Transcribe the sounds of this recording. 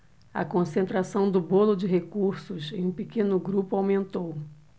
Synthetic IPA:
ɐ̰kõsẽnt̪ɾasɐ̃w̃d̪ʊbolʊd͡ʒɪɦekuɾsʊsẽj̃ũpekẽnʊɡɾupʊawmẽnt̪ow

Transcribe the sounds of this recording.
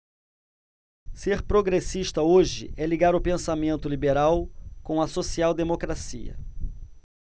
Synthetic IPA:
seɾpɾoɡɾesiʃt̪ɐoʒɪ̰ɛliɡaɾʊpẽsamẽnt̪ʊlibeɾawkõw̃ɐsosiawd̪emokɾasḭɐ̰

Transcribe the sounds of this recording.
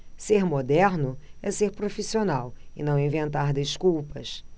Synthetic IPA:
seɾmod̪ɛɾnʊɛseɾpɾofisionawɪnɐ̃w̃ĩvẽnt̪aɾd̪eʃkuwpɐs

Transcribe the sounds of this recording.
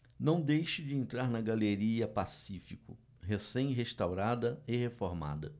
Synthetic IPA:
nɐ̃w̃d̪ejʃɪd͡ʒɪẽnt̪ɾaɾnɐɡaleɾiɐpasifikʊ̰ | ɦesẽj̃ɦest̪awɾad̪ɐɪhefoɾma̰d̪ɐ

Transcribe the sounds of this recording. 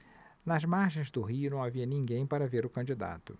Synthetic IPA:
nɐzmaɾʒẽj̃zd̪ʊɦiʊnɐ̃w̃aviɐnĩŋɡẽj̃paɾɐveɾʊkɐ̃nd͡ʒid̪a̰t̪ʊ

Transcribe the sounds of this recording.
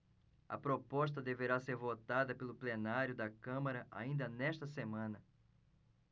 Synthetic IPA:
ɐ̰pɾopɔʃt̪ɐd̪eveɾaseɾvot̪ad̪ɐpelʊplenaɾjʊd̪ɐkɐ̃mɐɾɐʔa̰ĩnd̪ɐnɛʃt̪ɐsemɐ̃nɐ

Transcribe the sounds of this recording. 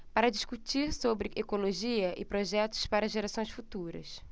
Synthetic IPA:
paɾɐd͡ʒiʃkut͡ʃiɾsobɾɪʔekoloʒiɐʔɪ̰pɾoʒɛt̪ʊ̥spaɾɐʒeɾasõj̃sfut̪uɾɐ̰s

